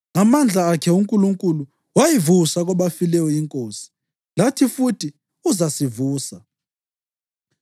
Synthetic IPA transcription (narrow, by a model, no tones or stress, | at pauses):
ŋamand͡ɮʱaːkʰɛuŋkʼuluŋkʼulu | wajivusaɣɔβafilɛjɔiŋkʼoːsi̥ | latʰifutʰi | uzasivuːsa